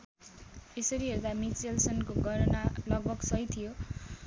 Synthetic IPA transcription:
esʌɾiɦeɾud̪amit͡selsʌnkoɡʱʌɾʌnalʌɡ̚bʱʌɡsʌjt̪ʰijo

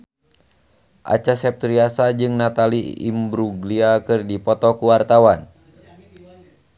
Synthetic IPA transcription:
ʔa̰t͡ʃasɛp̚t̪ɾiasad͡ʒɨŋnat̪aliḭmbɾuɡliakɨrdipɔt̪ɔkuwart̪awan

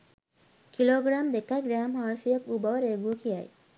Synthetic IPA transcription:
kiloːɡɾamd̪ekaɡɾaːmɦaːɾsijəkubɔwɾeɡukʰija̰j

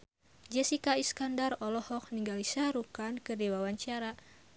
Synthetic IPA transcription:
d͡ʒɛsikaiskandarɔlɔhɔk̚niŋɡalisaɾukankɨrdiwawaɲt͡ʃaɾa

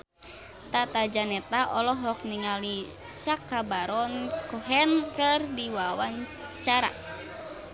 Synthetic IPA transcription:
t̪at̪ad͡ʒanɛt̪aʔɔlɔɦɔk̚niŋali | sakːabaɾɔnkɔɦɛnkɨrdiwawaɲ | t͡ʃaɾa̰

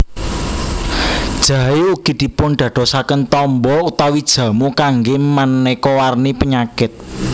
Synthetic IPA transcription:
d̥ʒ̥ä̤euɡ̥i̤d̪̥i̤pʊnɖ̪̥ä̤d̥o̤sakənt̪ɔmbɔut̪awid̥ʒ̥ä̤mukaŋɡɪmanːɛkowarnipəɲakɪt̪̚

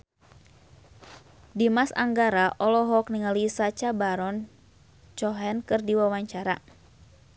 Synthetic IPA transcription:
dimasa̰ŋɡaɾaʔɔlɔɦɔkniŋalisat͡ʃabaɾɔn | t͡ʃɔɦɛnkɨrdiwawaɲt͡ʃaɾa̰

